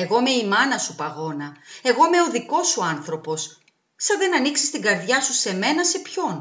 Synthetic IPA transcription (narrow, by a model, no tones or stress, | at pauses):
e̞ɣo̞me̞imɐnɐsupɐɣo̞nɐe̞ɣo̞me̞o̞ðiko̞suɐnθɾo̞po̞s | sɐðe̞nɐniksi̥st̪iŋɡɐɾðʝɐsuse̞me̞nɐse̞pço̞n